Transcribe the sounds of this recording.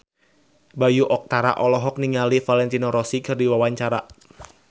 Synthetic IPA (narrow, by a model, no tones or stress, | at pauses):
bajuʔɔk̚t̪aɾa̰ʔɔlɔɦɔk̚niŋalifalɛnt̪inɔɾɔsikɨrdiwawaɲt͡ʃaɾa